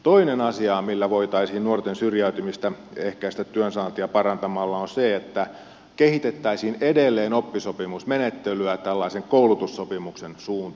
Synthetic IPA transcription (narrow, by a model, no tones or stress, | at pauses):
t̪oinenɑsiɑmilːæʋoit̪ɑisiːnnuort̪ensyrjæyt̪ymist̪æehkæist̪æt̪yønsɑːnt̪iɑpɑrɑnt̪ɑmɑlːɑonseet̪ːæ | kehit̪et̪ːæisiːnedelːeːnopːisopimusmenet̪ːelyæt̪ælːɑiseŋkoulut̪usːopimuksensuːnt̪